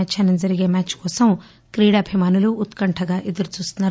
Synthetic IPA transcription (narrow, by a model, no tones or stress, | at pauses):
t͡ʃɐːnɐmd͡ʒɐɾiɡe̞ːmaːt͡ʃkɔːsɐm | kɾiːɽaɐbʱimaːnuluʔːt̪kɐɳʈʰɐɡaːʔed̪ɐɾut͡ʃuːst̪unːaː